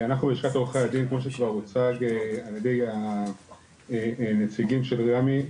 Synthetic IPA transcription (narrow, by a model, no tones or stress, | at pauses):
anaχnubeiʃkat̪oχead̪inkmo̞ʃ̬ekvaʁot͡saɡealjed̪e̞ja | net͡siɡimʃe̞lʁami